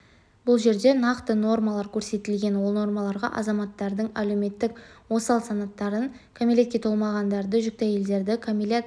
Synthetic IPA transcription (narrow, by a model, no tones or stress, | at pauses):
bʊlˠʒe̞ɾd̪e̞nɑqt̪əno̞rmɑlˠɑɾkʲʰɵɾse̞t̪ɪlɡʲe̞nwo̞lˠno̞rmɑlˠɑɾʁɑ̰ʔɑ̰zɑmɑt̪ːɑɾd̪əɴælewme̞t̪ːɪkwo̞sɑlˠsɑnɑt̪ːɑɾəŋ | kʰomilʲe̞t̪̚kʲe̞t̪ʰo̞lˠmɑʁɑnd̪ɑɾd̪əʒʏk̚t̪ɑje̞ld̪e̞ɾd̪ɪkʰomilʲet̪